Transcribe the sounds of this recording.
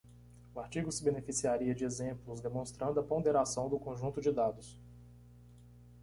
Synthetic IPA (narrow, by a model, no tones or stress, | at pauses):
ʊaɾt͡ʃiɡʊsɪbenefisiaɾiɐd͡ʒɪezẽplʊzd̪emõst̪ɾɐ̃nd̪ʊɐpõd̪eɾasɐ̃w̃d̪ʊkõʒũnt̪ʊd͡ʒɪd̪ad̪ʊs